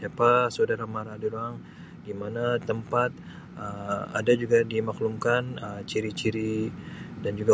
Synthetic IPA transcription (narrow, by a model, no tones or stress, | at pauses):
siapasaodaɾamaɾadadoaŋ | dimanat̪əmpat̪̚ | əa̰dad͡ʒuɡadimaklumkanəmt͡ʃiɾit͡ʃiɾi | dand͡ʒuɡa